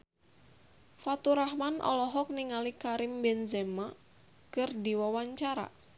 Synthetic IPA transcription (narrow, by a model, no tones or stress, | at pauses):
fat̪uɾaɦmanʔɔ̰lɔɦɔk̚niŋalikaɾɪmbɛnzɛma | kɨrdiwawaɲt͡ʃaɾa̰